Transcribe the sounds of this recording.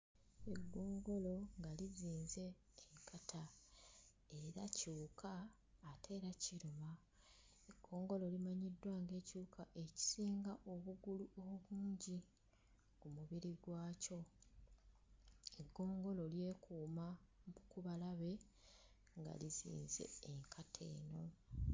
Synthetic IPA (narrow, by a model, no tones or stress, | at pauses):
e̞ɡːo̞ːŋɡo̞lo̞ŋɡaliziːnze̞ː | kʰatʰa | eɾacuːkʰaː | tʰe̞ːɾaciɾuma | eɡ̥ːo̞ːŋɡo̞lo̞limaɲidːwaːŋɡe̞ːcuːkʰaʔe̞ci̥siːŋɡaʔo̞βuɡuluoββuːɲɟi | kumuβiɾiɡwaːco̞ | eɡːo̞ːŋɡo̞lo̞lje̞ːkʰuːmaukuβalaβe̞ | ŋɡa̰lizḭːnze̞̰ːŋkʰatʰe̞̰ːno̞